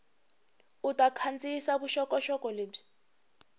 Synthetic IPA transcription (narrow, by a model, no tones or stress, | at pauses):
utʼakʰant͡sʼisaβuʃɔkʼɔʃɔkʼɔleːb͡ʐi̥